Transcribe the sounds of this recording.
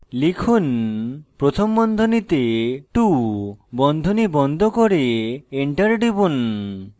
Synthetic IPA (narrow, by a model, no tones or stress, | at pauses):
likʰunpɾot̪ʰɔmbɔnd̪ʱonit̪eʈubɔnd̪ʱonibɔnd̪ʱɔkɔɾeːɳʈaɾɖibun